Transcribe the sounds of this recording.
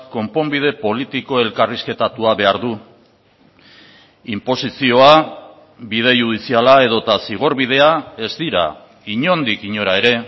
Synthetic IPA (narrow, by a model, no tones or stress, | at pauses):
ko̞mpo̞mbið̞e̞po̞lit̪iko̞e̞lkariske̞t̪at̪uaβe̞aɾðu | impo̞sisio̞a | bið̞e̞juð̞isialae̞ðo̞t̪asiɣ̞o̞ɾβið̞e̞ae̞zd̪iɾa̰ | iɲo̞nd̪ikiɲo̞ɾae̞ɾe̞